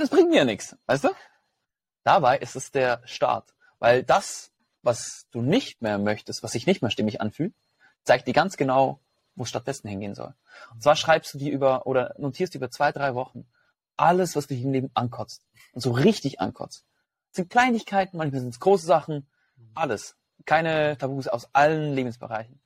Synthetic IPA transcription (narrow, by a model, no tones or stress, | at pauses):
nɛsb̥ʁɪŋt̚miːɐjaːnɪksvaɪstd̥uː | d̥abaɪʔɪstɛsd̥eːɐʃta̰ɐt | va̰ɪldas | vasd̥uːnɪçt̚meːɐmœçtəstv̥asd̥ɪçnɪçtmeːɐʃtɪmɪçʔa̰nfyːlt̚ | t͡saɪk̚td̥iːɐɡant͡sɡ̥ənaʊ | voːsʃtat̚d̥ɛsn̩hɪnɡeːənzɔ̰l | ʊnntt͡sv̥aːɐʃʁ̥aɪpstd̥uːdiːʔyːbɐʔoːɾɐnotʰiːɐstd̥uːʔyːbɐt͡sv̥aɪdʁaɪvɔχn̩ | ʔaləsv̥asd̥uːiɪmleːbm̩ʔa̰nkʰɔt͡st | ʊntz̥oːʁɪçtɪçʔa̰nkʰɔ̰t͡st | sz̥ɪnt̚kl̥aɪnɪçkʰaɪtn̩mançmaːlzɪntsɡ̥ʁoːsəzaχn̩ | ʔaləs | kʰaɪnətʰabuːsa̰ʊsʔalənleːbm̩sb̥ə̰ʁaɪçn̩